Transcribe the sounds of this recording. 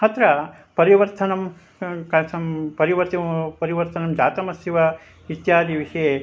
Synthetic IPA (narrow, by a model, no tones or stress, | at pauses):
ɦɐt̪ɾɐ | pɐɾiʋɐɾt̪ʰɐnɐm | kɐsɐmpɐɾiʋɐɾt̪ɐpɐɾiʋɐɾt̪ɐnɐmd͡ʒaːt̪ɐmɐsjiʋɐ | it̪jaːd̪iʋiʂɐje